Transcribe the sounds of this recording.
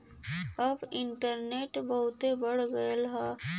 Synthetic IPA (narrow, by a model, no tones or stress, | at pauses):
əbɪɳʈəɾneːʈbəɦʊt̪ebəɽ̤ɡəelɦɛ